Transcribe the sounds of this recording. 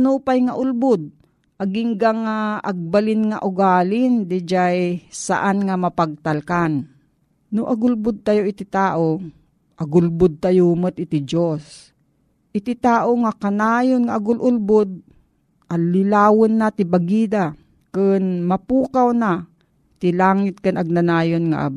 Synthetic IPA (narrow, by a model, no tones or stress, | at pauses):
nupajŋaʔʊlbʊd̪̚ | ʔaɡɪŋɡaŋaʔaɡ̚balɪnŋaʔʊɡaːlɪnd̪ɪd͡ʒajsa̰ʔanŋamɐpaɡ̚t̪alkan | nʊʔaɡʊlbʊd̪̚t̪ajoɪt̪ɪt̪aːʔo | ʔaɡʊlbʊd̪̚t̪ajumət̪̚ʔɪt̪ɪd͡ʒos | ʔɪt̪ɪt̪aːʔoŋakanaːjonŋaʔaɡʊlʔʊlbʊd̪̚ | ʔalɪlaːwʊnːat̪ɪbaɡiːd̪a | kɨnmɐpuːkawna | t̪ɪlaːŋɪt̪̚kɨnaɡ̚nanaːjonŋa̰ʔ